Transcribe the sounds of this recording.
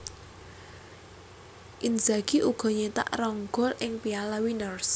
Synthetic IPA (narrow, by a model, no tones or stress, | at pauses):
ʔind͡ʒaɡ̥iʔuɡ̥ɔ̤ɲet̪a̰ʔrɔŋɡ̥ɔlʔɪŋpialawinərs